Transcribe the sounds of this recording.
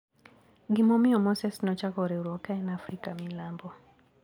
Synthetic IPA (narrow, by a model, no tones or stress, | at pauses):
ɡimɔmɪɔmɔsɛsnɔt͡ʃakɔɾɛuɾwɔkaɛnafɾikamilambɔ